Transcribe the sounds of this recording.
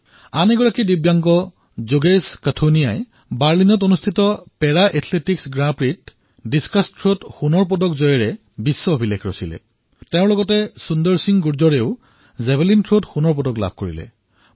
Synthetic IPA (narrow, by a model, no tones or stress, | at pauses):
anɛɡɔɹakidibjaŋkɔ | zoɡeskatʰonijaj | baɹlinɔtonustʰitɔpɛɹaʔɛtʰletiksɡɹabɹit | diskastʰɹodxunɔɹp̬ɔdɔkzɔjɛɹɛ | bisːɔobʱilekʰɹo̰silɛ̰ | teʊ̃ɹlɔɡɔtɛsundɔɹsiŋɡuɹzɔɹeʊ | zɛbelintʰɹotxunɔɹp̬ɔdɔkla̰b̚ʱkoɹḭlɛ̰